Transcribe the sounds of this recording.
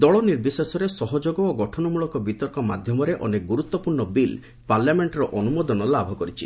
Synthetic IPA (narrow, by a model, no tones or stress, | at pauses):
d̪ɔɭɔniɾb̪isesɔɾesɔɦɔd͡ʒoɡɔːɡɔʈʰɔnɔmuɭɔkɔbit̪ɔɾkɔmad̪ʱjɔmɔɾeʔɔ̰nek̚ɡuɾut̪ːɔpuɾɳɔbil | paɾljameɳʈɾɔʔɔnumod̪ɔnɔlabʱɔkɔɾit͡ʃʰi